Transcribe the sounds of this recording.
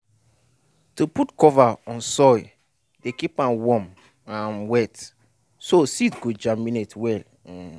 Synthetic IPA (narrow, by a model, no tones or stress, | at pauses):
tuputkɔvaɔ̃nsɔj | dekipãmwɔ̃m | ãnwɛt | sositɡod͡ʒamĩnetwɛl